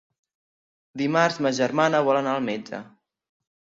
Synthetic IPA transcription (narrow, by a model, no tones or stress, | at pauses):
d̪imaɾzməʒərmanəβɔlənaːlˠmɛd͡ʒə̰